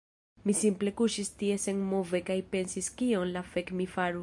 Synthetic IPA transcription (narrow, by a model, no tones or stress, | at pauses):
misimple̞kuʃistie̞se̞nmove̞kajpe̞nsiskio̞nlafe̞kmifaɾu